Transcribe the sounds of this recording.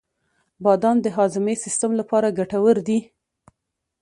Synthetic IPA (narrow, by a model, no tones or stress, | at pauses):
bɑd̪ɑnd̪əɦɑzɪmesɪst̪amlapɑɾaɡaʈawəɾd̪i